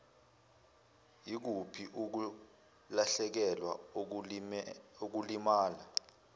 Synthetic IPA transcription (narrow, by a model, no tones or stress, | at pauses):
jik̬upʰiʔuk̬u | laɬɛk̬ɛlwa̰ | ok̬ulimaːla